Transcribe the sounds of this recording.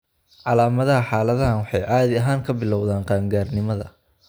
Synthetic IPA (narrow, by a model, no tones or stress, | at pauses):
ʕɑlaːmɐðɐɦɐħaːlɐðɐɦɐnwɑħɑjʔaːðɪɐɦaːŋkʰɐbɪlɔwðaːnqɑːŋɡaːrnɪmɐðɐ̰